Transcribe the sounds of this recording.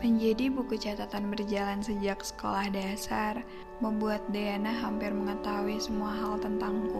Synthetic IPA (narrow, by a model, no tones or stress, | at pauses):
məɲd͡ʒadibukut͡ʃat̪at̪anbərd͡ʒalansəd͡ʒaksə̥ko̰lahdasar | məmbuat̪̚deanaɦampɪrməŋət̪auisəmuaɦalt̪ənt̪aŋku